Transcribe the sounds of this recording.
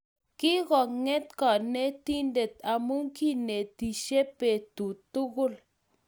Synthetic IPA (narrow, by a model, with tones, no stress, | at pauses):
ki˦ɣɔ˨kŋe˦t̪kɔ˨ne˦t̪i˦nde˨t̪a˨mu˦ŋki˦ne˨t̪i˨ʃe˦pe˨t̪u˨t̪u˦ɣʊ˦l